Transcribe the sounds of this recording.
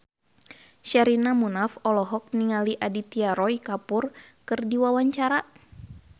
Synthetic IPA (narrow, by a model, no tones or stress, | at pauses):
ʃaɾinamunafɔlɔɦɔk̚niŋaliʔadit̪iaɾɔikapurkɨrdiwawaɲt͡ʃaɾa